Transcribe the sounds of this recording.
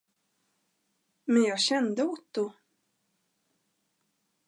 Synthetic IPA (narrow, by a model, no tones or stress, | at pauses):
mɛnjɑːɡɕɛnd̪əʊt̪ːʊ